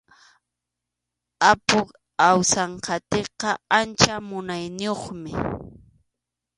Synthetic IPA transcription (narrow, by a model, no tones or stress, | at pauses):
apʊk | awsɑɴqɑt̪eqɑant͡ʃamʊnajnɪjoχmɪ